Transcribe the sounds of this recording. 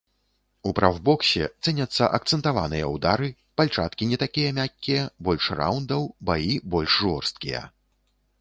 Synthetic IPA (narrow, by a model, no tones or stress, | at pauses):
upɾʔawbɔksʲɛ̰t̪sɛnʲɐt̪sːɐʔɐkt̪sɛnt̪ava̰nɨjɐ̰wd̪aɾɨ | palʲt͡ʂat̪kʲinʲɛt̪akʲijɐmʲakʲːijɐbɔlʲʂra̰wnd̪ɐwbajibɔlʲʂʐɔrst̪̚kʲijɐ̰